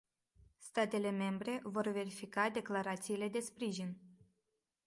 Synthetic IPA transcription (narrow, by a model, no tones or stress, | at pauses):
st̪at̪e̞le̞me̞mbɾe̞vo̞rve̞ɾifikad̪e̞klaɾat̪siːle̞d̪e̞spɾiʒin